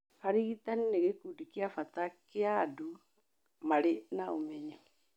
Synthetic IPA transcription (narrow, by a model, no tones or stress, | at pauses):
haɾiɣit̪anineɣekudikiafat̪akeadu | maɾenaomɛɲa